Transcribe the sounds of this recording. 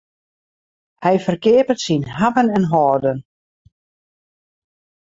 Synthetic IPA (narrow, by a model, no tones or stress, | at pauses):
hɛjfərkɪəpətsinhavənɛnɦɔːrdən